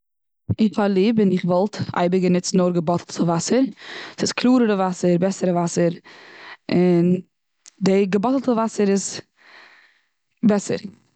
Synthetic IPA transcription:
ɪχalˠiːbɪnɪχvɔlˠta̰ɪbəɡənɪt͡sn̩ɔɾɡəbɔtʰl̩ˠtʰəvasəɾsɪskʰlˠuːɾəɾəvasəɾbɛsəɾəvasəɾ | ɪn | dɪɡəbɔtl̩ˠtəvasəɾɪz | bɛsə̰ɾ

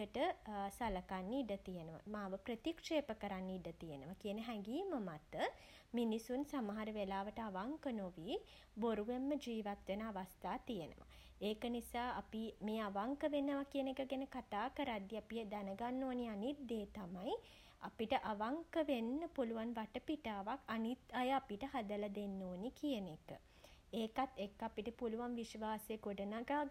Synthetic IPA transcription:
əʈəsaləkanːiɖət̪ijenəʋa̰maːʋəpɾət̪ikʂeːpəkəɾanːiiɖət̪ijənəʋakijənəɦɛŋɡiːməmat̪ːə | minisunsamaɦaɾəʋelaːʋəʈəaʋaŋkənoʋiː | boɾuʋemːəd͡ʒiːʋat̪ʋenəaʋast̪aːt̪ijənə̰ʋa̰ | eːkənisaːapimeːaʋaŋkəʋenəʋakijənekəɡenəkat̪aːkəɾad̪jiapied̪anəɡanːoːnianit̪ːeːt̪amaj | apiʈəʔaʋaŋkəʋenːəpuluʋanʋaʈəpiʈaːʋakanit̪ajəapiʈəɦad̪əlɐd̪enːoːnikijənekə̰ | eːkat̪ːekːapiʈəpuluʋanʋiʃʋaːseɡoɖənaɡaːɡ

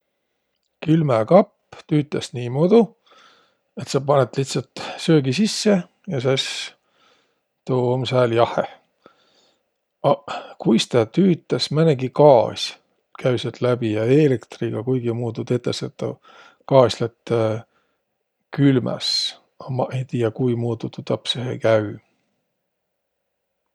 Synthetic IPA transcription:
kylmekɑpː | t̪yːt̪ːˑɑsniːmod̪̥u | e̞t̪sɑpɑnet̪ˑliht̪sɑlt̪søːɡisisːe | jɑses | t̪oːomsæːljɑhˑḛ | ɑkujst̪ɑt̪yːt̪ːˑɑsmæneɡikɑːsʲ | kæɥset̪ˑlæbijɑelekt̪riɡ̥ɑkujɡ̥imuːt̪ud̪et̪ːˑeset̪ːɑ̰ | kɑːsʲlet̪ː | kylmæ̰s | ɑmɑʔe̞jt̪iːjɑkujmuːt̪ut̪ut̪ːɑpsehḛkæɥ

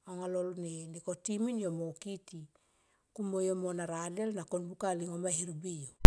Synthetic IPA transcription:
oŋalolneniko̞timinjo̞mokiti | kumo̞jo̞mo̞naɾade̞lnakonbukaliŋomahiɾbijo

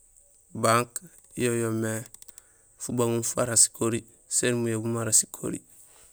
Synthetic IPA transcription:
baŋk | jojome | fubaŋunfuaɾasi̥koɾi | senmujebumaɾasi̥kʰo̰ɾḭ

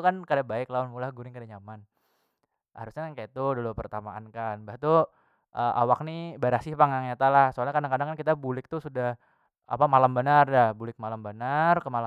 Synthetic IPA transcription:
ukankadabaɪklaʊnmulahɡuɾɪŋkadaɲaman | ha̰ɾusɲaankajat̪udolopərt̪amaa̰nkanbaht̪u | ʔəʔa̰wak̚nibaɾasɪhpaŋaŋɲat̪alahsoalɲakadaŋkadaŋkankit̪abulɪk̚t̪usudah | a̰pamalambənardahbulɪk̚malambənarkəmala

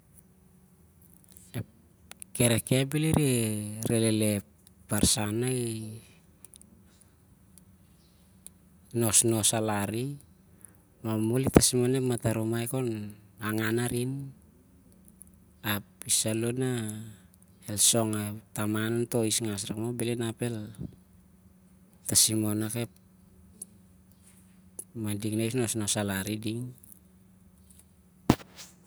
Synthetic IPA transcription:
e | ke̞ɾeke̞biliɾeɾelele̞ | paɾsanaj | no̞sno̞salaɾi | mamulitasmanepmataɾomajko̞naŋanaɾin | apisaluna | elso̞ŋatamananto̞isŋasɾakmobelinape̞l | tasimonakep̚ | madiŋnajsno̞sno̞salaɾidiŋ

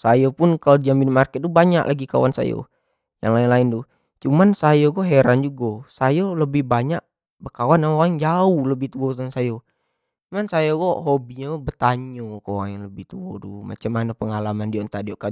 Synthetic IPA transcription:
sajopʊnkalodd͡ʒambinmarkɛt̪̚dubaɲa̰ʔlʔaɡika̰wansa̰jo̰ | ja̰ŋlaɪnlaɪndu | t͡ʃumansajoɡoɦeɾand͡ʒuɡɔsajoləbɪhbaɲaʔ̚ | bəkawanaaŋd͡ʒauhləbɪht̪uɔt̪uansajo | t͡ʃumansajoɡoɦobiɲaɡbət̪aɲokowaŋaŋləbɪht̪uɔduma̰t͡ʃamːanɔpəŋalamandiont̪adioʔka

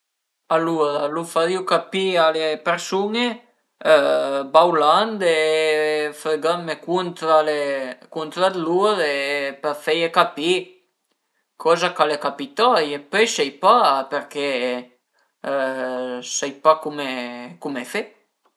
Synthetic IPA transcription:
aluɾalufaɾiukapialepeɾsuŋe | bawland̪e | fɾeɡamekunt̪ɾalekunt̪ɾad̪luɾepɛɾfɛjekapi | kʰɔzakalekapit̪ajepøjsɛjpapeɾke | sɛjpakumekumefe

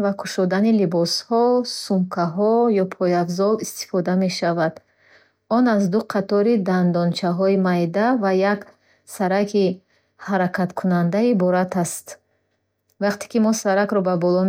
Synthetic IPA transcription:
vakʰu̥ʃɔd̪anilibɔshɔsumkʰaɦɔjɔpʰɔjabzɔlist̪i̥fɔd̪ame̞ʃavad̪ | ɔnazd̪uqʰat̪ɔɾid̪and̪ɔnt͡ʃʰaɦɔimajd̪avajak | saɾakʰi | haɾakʰat̪kʰunand̪aibɔɾat̪ʰast̪ | vaqt̪ʰe̥kimɔsaɾakɾɔbabɔlɔ

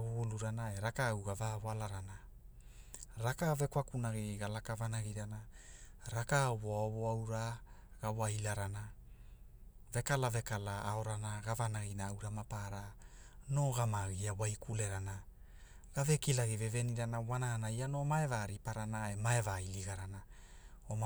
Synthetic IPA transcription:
βuɡuluɾanae̞ɾakawɡavaβalaɾana | ɾakave̞kwakunaɡiɡalakavanaɡiɾanaɾakaβoaoβoawɾaɡ̥awajlaɾana | ve̞kalave̞kalaːo̞ɾanaɡavanaɣinaawɾamapaɾano̞ɡamaɣiawajkʰule̞ɾana | ɡave̞kilaɡive̞ve̞niɾanawanaanaiano̞maevaɾipaɾanaemaevailiɡaɾanaoma

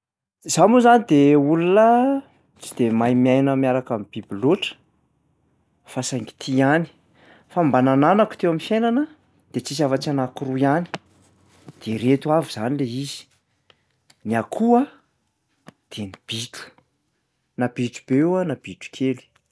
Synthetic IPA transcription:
z̥amuzanid̪eulunə | t͡sid̪̥emajmiajnəmjaɾakamib̥ibiloʈ͡ʂə̥ | fasaŋɡi̥t̪ʰiani̥ | fambanananaku̥t̪ewaminfjejnanə | d̪̥et͡sis̬avat͡sanakuɾujani̥ | d̪̥eɾet̪uaviz̥anileizi̥ | niakʰua | d̪̥enib̥it̪u̥ | nabiʈ͡ʂu̥b̥ewanab̥iʈ͡ʂu̥kʰeli̥

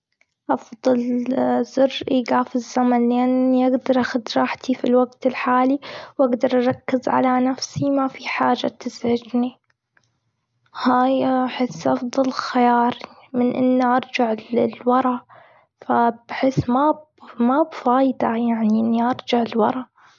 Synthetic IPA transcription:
ʔɑfðˤɑlzʊrʔiɡaːfɪzːamanlʔanːiʔaɡd̪ɑɾˤʔaxad̪ɾˤɑːħt̪ʰifilwaɡt̪ɪlħaːliwʔaɡd̪ɑɾˤʔɑɾˤɑkːɪzʕa̰lanafsimafiħaːd͡ʒa̰t̪ɪzʕɪd͡ʒni | haːjħɪsːʔɑfðˤɑlxajɑːɾˤ | mɪnʔɪ̰nːiʔɑɾˤd͡ʒaʕlɪlwɑɾˤɑ | fab̥ħɪsmabmabfaːjd̪ajaʕniʔɪnːiʔɑɾˤd͡ʒaʕɪlwɑ̰ɾˤɑ

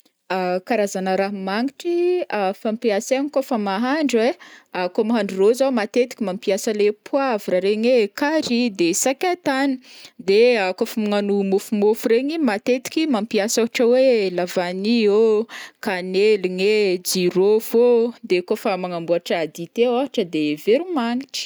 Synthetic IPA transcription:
akaɾazanəɾaɦmaŋiʈ͡ʂiafampiaseɲikofəmaɦaɳɖ͡ʐeakomaɦaɳɖ͡ʐurozawmat̪et̪i̥kʲimampiasəlepʰuaviɾaɾeɲwekaɾid̪esakʲat̪anid̪eakofamiŋanumofumofuɾeɲimat̪et̪i̥kʲimampiasaɦaʈ͡ʂəwelavaniokaneliŋed͡ʒiɾovod̪ekofəmaŋambuaʈ͡ʂad̪it̪eaɦaʈ͡ʂəd̪eveɾumaŋiʈ͡ʂi̥

